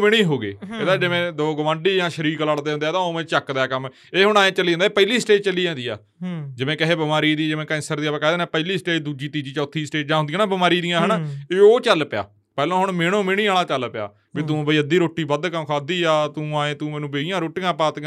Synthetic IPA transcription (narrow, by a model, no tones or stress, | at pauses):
mɪɽ̃iːɦoːɡḛːeːd̪aːd͡ʒɪʋẽːd̪oːɡəʋãːɳɖiːjãːʃəɾiːɾkəlaːɽd̪eːɦʊnd̪eːt̪ãːoːmẽːt͡ʃəkd̪ɛːkəm | eːɦʊɳ̃aːẽːt͡ʃəlːiːd͡ʒãːnd̪ːpəliːsʈeːd͡ʒt͡ʃəliːd͡ʒãːd̪iːa̰ː | d͡ʒɪʋẽːkəɦeːbəmaːɾiːd̪iːd͡ʒɪʋẽːkɛ̃ːnsəɾd̪iːaːpãkɛːd̪eːnaːpəːliːsʈeːd͡ʒd̪uːd͡ʒiːt̪iːd͡ʒiːt͡ʃɔːt̪ʰːiːsʈeːt͡ʃd͡ʒãːɦʊnd̪iãːnaːbəmaːɾiːd̪ijãːɦənːeːoːt͡ʃəlːpɪja̰ː | pɛːlãːɦʊɳmeːɽ̃õːmɪɽ̃iːaːlaːt͡ʃəlpɪja̰ː | biːt̪ũːbəiːəd̪iːɾoːʈiːbəd̪kəmkʰaːd̪iːaːt̪ũːaːẽːt̪ũːmɛːnũːbeːɪjãːɾoːʈɪjãːpaːt̪ɡ